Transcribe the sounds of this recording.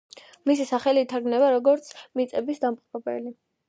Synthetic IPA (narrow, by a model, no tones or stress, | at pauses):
misisaχɛliːt̪ʰaɾɡnɛbaɾɔɡɔɾt̪sʰmit̪sʼɛbisd̪ampʼqʼpɛbɛ̰li